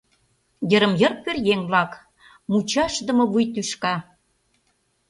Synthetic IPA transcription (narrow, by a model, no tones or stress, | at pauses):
jə̆ɾə̆mjɤ̆rpørjeŋβlɑk | mut͡ɕɑʃd̪ə̆mɤ̆βujt̪yʃkɑ